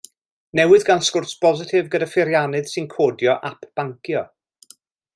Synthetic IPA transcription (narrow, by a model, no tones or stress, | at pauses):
nɛwɨðɡanskʊrsb̥ɔzɪtʰɪvɡədafɪɾjanɨð̥sɨnkʰoːdjɔʔapʰb̥aŋkjɔ